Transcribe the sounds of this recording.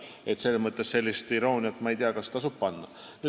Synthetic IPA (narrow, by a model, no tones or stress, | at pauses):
e̞t̪se̞lːemɤt̪ˑːesse̞lʲːist̪iɾo̞ːnʲiɑt̪ːˑmɑejt̪iɑkɑst̪ɑsub̥̚pɑnːɑny